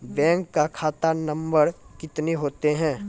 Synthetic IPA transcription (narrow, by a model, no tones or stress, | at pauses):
bɛ̃ːŋkːakʰaːt̪anɐ̃mbəɾkɪt̪neɦoːt̪eɦɛ̃ː